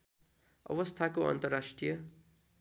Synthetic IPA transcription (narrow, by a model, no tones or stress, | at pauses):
ʌ̰bʌst̪ʰakoʌ̰nt̪ʌrːasʈrijʌ